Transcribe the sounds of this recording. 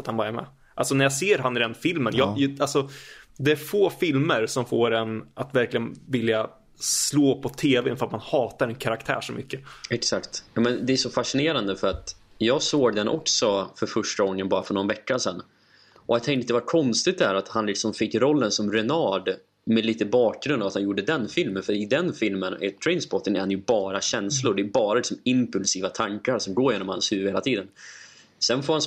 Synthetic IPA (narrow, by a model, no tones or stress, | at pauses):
at̪hanbɑːɾaɾmɛ̰ː | ʔalsɔnæɾjaseːɾɦanɪd̪ɛnfɪlmənjɑjalsɔd̪ɛæɾfoːfɪlməɾsɔmfoːɾɛnʔat̪væɾklɪɡənvɪlja | sloːpʰɔt̪ʰeːvɛnfɾat̪manhɑːt̪aɾɛnkʰaɾakt̪ʰæ̰ːʂɔmʔʏ̰kːəɛksakt̪jɑːmɛnd̪ɛːʂɔfaʂɪneːɾand̪əfœɾat̪jɑːɡsoːɡ̚d̪ɛnʔɔ̰ksɔfœɾfœʂʈaɔŋːənbɑːɾafœɳɔnvɛkːasɛnː | ʔɔjat̪ʰɛŋt̪d̪ɛvakʰɔnst̪ɪt̪̚d̪ɛhæːɾat̪hanlɪksɔmfɪkːɾɔlːənsɔmɾɛnɑːɖ | mɛliːt̪əbɑːk̚ɡɾɵnd̪ɑːvat̪hanjuːɖːəd̪ɛnfɪlmənfœɾɪd̪ɛnfɪlmənɛ̰t̪ʰɾɛɪnsbɔt̪ːənɛɾhanjɵbɑːɾaɕɛnslʊɾɖɛjbɑːɾalɪksɔmɪmpɵlsiːvat̪ʰaŋkaɾsɔmɡoːɾjeːnɔmha̰nshʉ̟ːvheːlat̪ʰiːd̪ən | sɛnfoːɾhan